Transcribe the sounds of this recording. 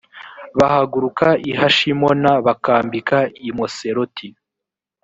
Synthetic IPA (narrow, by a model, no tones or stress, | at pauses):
βahaɡuɾukaiɦaʃimonaβakaːmbikaimoseɾotʰi